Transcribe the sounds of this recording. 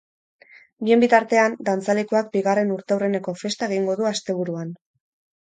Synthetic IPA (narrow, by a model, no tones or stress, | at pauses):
bie̞mbit̪aɾt̪e̞and̪ant͡salekoak̚biɣare̞nuɾt̪ewre̞ne̞ko̞fe̞st̪ae̞ɣ̞iŋɡo̞ðuast̪e̞β̞uɾuan